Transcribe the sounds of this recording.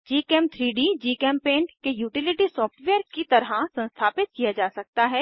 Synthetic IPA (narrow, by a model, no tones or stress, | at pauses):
d͡ʒiːkɛːmt̪ʰɾiːɖiːd͡ʒiːkɛːmpẽːɳʈkejuːʈɪlɪʈisɔːfʈʋɛːəɾkit̪ɐɾasɐ̃nst̪ʰaːpɪt̪̚kijad͡ʒaːsɐk̚t̪aɦɛː